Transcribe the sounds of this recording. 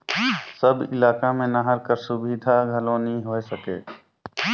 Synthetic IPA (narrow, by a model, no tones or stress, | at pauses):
səbɪ̰laːkamẽnaɦəɾkəɾsʊbid̪ʱaɡʱəlõːnĩɦoːesəkḛː